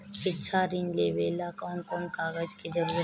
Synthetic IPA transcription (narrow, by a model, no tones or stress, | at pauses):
kɪːʃʰaɾinleːʋeːlakɔːnkɔːmkaːɡəd͡ʒked͡ʒəɾuːɾ